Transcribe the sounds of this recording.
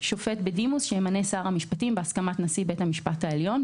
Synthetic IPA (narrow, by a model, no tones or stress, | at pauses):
ʃo̞fe̞tbedimusʃeemane̞saʁamiʃpatimbeaskamatnasibe̞thamiʃpathaeljo̞n